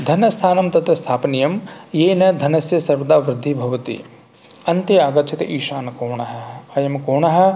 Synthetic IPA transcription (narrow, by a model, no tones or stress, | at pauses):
d̪ʱɐnɐst̪ʰaːnɐmt̪ɐt̪ɾɐst̪ʰaːpnijɐmjeːnɐd̪ʱɐnɐsjɐsɐɾʋɐd̪aːʋɾɪd̪ʱːibʱɐʋɐt̪ḭ | ɐnt̪ɐaːɡɐt͡ʃʰit̪ʔiːʃaːnɐkoːɳɐɦɐ̆ɐjɐmkoːɳɐɦɐ̆